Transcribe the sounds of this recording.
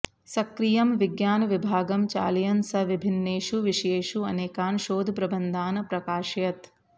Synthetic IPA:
sɐkɾijɐmʋiɡjaːnɐʋibʱaːɡɐmt͡ʃa̰ːljɐnsɐʋibʱinːeːʃuʋiʃeːʃuɐ̰neːkaːnʃoːd̪ʱpɾɐbɐnd̪ʱaːnɐpɾɐkaːʃjɐt̪

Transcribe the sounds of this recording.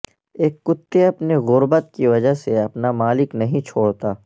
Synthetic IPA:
eːkːʊt̪ːeɐpneɣʊɾbət̪̚kiʋɐd͡ʒəɦseɐpnamaːlɪknɐɦĩt͡ʃʰoːɽt̪aː

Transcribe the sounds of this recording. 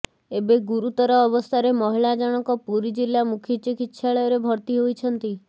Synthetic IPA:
ebeɡuɾut̪ɔɾɔːbɔst̪ʰaɾemɔɦiɭad͡ʒaɽ̃ɔkɔpuɾid͡ʒilːamukʰjit͡ʃikitːʃʰaɭɔjɔɾebʱɔɾt̪iɦojt͡ʃʰɔnt̪i

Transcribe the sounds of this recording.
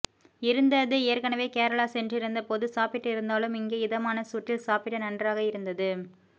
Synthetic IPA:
ɪɾɯnd̪ɐðɯeːɾkɐnɐʋeːkeːɾɐɭaːsɛndrɪɾɯnd̪ɐpoːðɯsaːpɪʈːɪɾɯnd̪aːlɯmɪŋɡeːɪðɐmaːnɐsuːʈːɪlsaːpɪʈːɐnɐndraːɣɐɪɾɯnd̪ɐðɯ

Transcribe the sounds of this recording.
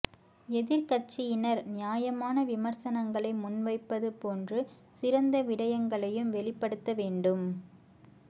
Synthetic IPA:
ɛðɪɾkɐt͡ʃːɪjɪnɐɾnɪjaːjɐmaːnɐʋɪmɐɾsɐnɐŋɡɐɭɐɪmʊnʋɐɪpːɐðɯpoːndrɯ | sɪɾɐnd̪ɐʋɪɽɐjɐŋɡɐɭɐjɯmʋɛɭɪpːɐɽɯt̪ːɐʋeːɳɖɯm

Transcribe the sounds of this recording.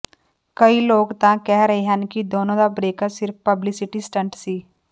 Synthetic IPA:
kɐiloːɡt̪ãkɛɦɾəɦeɦɛnkid̪oːnõd̪abɾeːkəɾsɪɾfpɐblɪsɪʈisʈə̃ɳʈsiː

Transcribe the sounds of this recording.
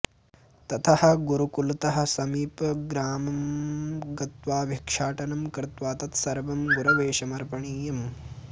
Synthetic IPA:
t̪ɐt̪ʰɐhɐ̆ɡuɾukult̪ɐɦɐ̆sɐmiːpɐɡɾaːmɐmɡɐt̪ʋaːʋjɐkʂaːʈɐnɐmkɾɪt̪ʋaːt̪ɐt̪sɐɾʋɐmɡuɾɐʋeːʃɐmɐɾpɐɳiːjɐm

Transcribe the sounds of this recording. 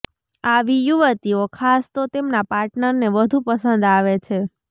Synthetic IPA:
aʋijuʋət̪iokʰast̪ot̪emnapaɾʈnəɾneʋəd̪ʱũpəsənd̪aʋet͡ʃʰe

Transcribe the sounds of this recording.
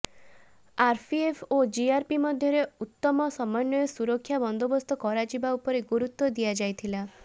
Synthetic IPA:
aɾpʰiepʰod͡ʒiaɾpimɔd̪ʱjɔɾeut̪ːɔmɔsɔmɔjnːɔjɔsuɾɔkʰːjabɔnd̪obɔst̪ʰɔkɔɾad͡ʒibaupɔɾeɡuɾut̪wɔd̪ijad͡ʒajt̪ʰila

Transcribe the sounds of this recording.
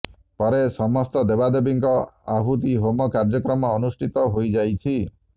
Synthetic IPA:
pɔɾesɔmɔst̪ɔd̪ebad̪ebiŋkɔaɦut̪iɦomɔkaɾd͡ʒɔkɾɔmɔːnusʈʰit̪ɔɦojd͡ʒajt͡ʃʰi

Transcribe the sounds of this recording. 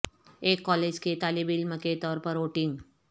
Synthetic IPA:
eːkːɔːleːd͡ʒket̪aːlibɪlməket̪ɔːɾpəɾoːʈɪ̃ŋɡ

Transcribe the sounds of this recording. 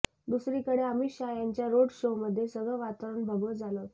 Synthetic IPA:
d̪usɾiːkəɽeamiɕajaɲt͡ɕjaɾoɽɕoməd̪ʱːjesəɡɭəʋat̪əɾəɳbʱəɡəd͡zalot̪

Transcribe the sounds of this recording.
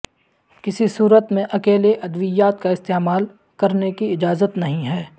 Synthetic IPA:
kɪsisuːɾət̪mẽʔɐkeːleʔɐd̪ʋɪjaːt̪̚kaɪst̪eːmaːl | kɐɾnekiɪd͡ʒaːzət̪nɐɦĩɦɛː

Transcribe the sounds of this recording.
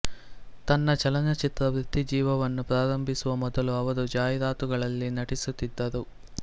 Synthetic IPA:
t̪ɐnːɐt͡ʃɐlɐnɐt͡ʃit̪ɾɐʋɾut̪ːid͡ʒiːʋɐʋɐnːupɾaːɾɐmbʱisuʋɐmɔd̪ɐluɐʋɐɾud͡ʒaːjɐd̪aːt̪uɡɐɭɐlːinɐʈisut̪ːid̪ːɐɾu

